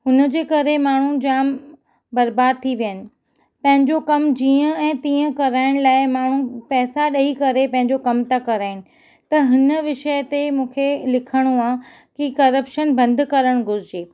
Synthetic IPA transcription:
ɦʊnə̆d͡ʑeːkɐɾemaːɳ̤ud͡ʑaːm | bɐɾbaːd̪̚t̪ʰiʋijənɪ̆ | pɐ̃ɦɪ̃ɲd͡ʑokɐmd͡ʑiːə̃ɛ̃ːt̪ĩːə̃kɐɾaːɪɽ̃laːɪmaːɳ̤upɛːsaɗɐikɐɾepɐ̃ɦɪ̃ɲd͡ʑokɐmt̪akɐɾaːɪñɪ̆ | t̪ɐɦɪnəʋɪʃəjt̪emũːkʰelɪkʰəɽ̃uaː | kikɐɾəpʃənbɐ̃nd̪kɐɾəɽ̃ɡʱʊɾɪd͡ʑeː

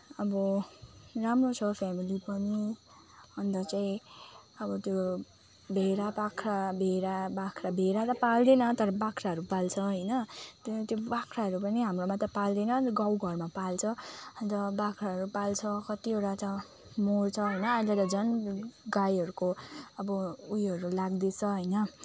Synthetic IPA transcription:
ʌbʌ | ramrot͡sʰʌpʰamilipʌni | ʌnt̪ʌt͡saĩʌbʌt̪jo | bʱeɾapakʰrabʱeɾabakʰrabʱeɾat̪ʌpald̪enʌt̪ʌɾʌbakʰraɦʌɾupalt͡sʰʌɦʌjnʌt̪t̪jobakʰraɦʌɾupʌniɦamromat̪ʌpald̪enʌɡawɡʱʌrmapalt͡sʰʌʌnt̪ʌbakʰɾaʌɾupalt͡sʰʌkʌt̪ioʈat̪ʌ | mort͡sʰʌɦʌjnʌilʌt̪ʌd͡zʌnɡajɦʌɾukoʌbʌujɦʌɾulaɡd̪et͡sʰʌɦʌjnʌ

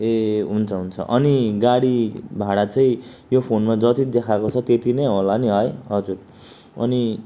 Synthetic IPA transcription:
eɦunt͡sʰʌɦunt͡sʰʌ̰ʔʌniɡaɽibʱaɽat͡sʌĩ | jopʰonmad͡zʌt̪id̪ekʰakot͡sʰʌt̪et̪inejɦolaniɦʌjɦʌd͡zur | ʌ̰ni

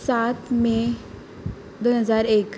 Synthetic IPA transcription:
sat̪ʰmẽ | d̪oɦəzaːɾeːk

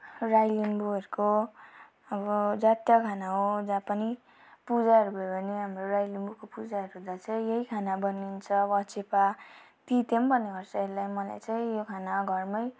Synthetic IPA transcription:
rajlimbuɦʌɾuko | ʌbʌd͡zat̪jʌkʰanaɦod͡zãpʌni | pud͡zaɦʌɾubʱʌjobʱʌneɦamrorajlimbukopud͡zaɦʌɾuɦũd̪at͡sʰaĩjeɦikʰanabʌnːint͡sʰʌbʌt͡sʰepa | t̪it̪embʌneɦʌrsʌeɾulajmʌla̰jt͡sãĩjokʰanaɡʱʌrmʌj

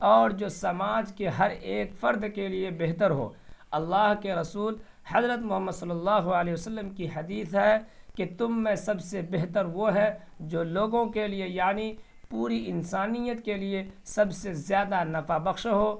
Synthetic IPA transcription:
ɔːɾd͡ʒoːsɐmaːd͡ʒkeɦɐɾeːkfɐɾd̪keliebeɦt̪əɾɦo̰ːɐlːaːɦkeɾɐsuːl | hɐzɾət̪mʊɦəmːəd̪sɐlːəlːaːɦuəleːsəlːəmkiɦɐd̪iːsɦɛket̪ʊmːẽsɐbsebeɦt̪əɾʋoɦɛd͡ʒoːloːɡõkeliejaːni | puːɾiɪnsaːnijət̪keliesɐbsezjaːd̪anɐfabɐxʃɦoː

